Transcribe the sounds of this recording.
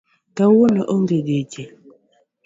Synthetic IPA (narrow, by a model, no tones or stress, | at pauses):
tawonəʔoŋɡeded͡ʒe